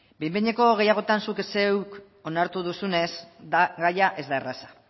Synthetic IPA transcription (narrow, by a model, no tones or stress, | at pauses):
bejmbeɲeko̞ɣe̞jaɣ̞o̞t̪ansukese̞wk | o̞naɾt̪uðusune̞sd̪aɣajaʔe̞zd̪aerasḁ